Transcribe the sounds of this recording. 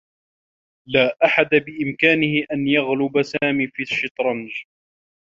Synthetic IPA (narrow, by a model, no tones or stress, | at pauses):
laːʔaħad̪abɪʔɪmkaːnɪhɪʔanjaɣlʊbasaːmiːfiːʃɪt̪ɾˤɑnd͡ʒ